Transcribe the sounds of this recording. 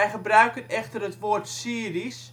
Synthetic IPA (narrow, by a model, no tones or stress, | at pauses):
ɛjχəbrœɥkənɛxtərətʋortsiəris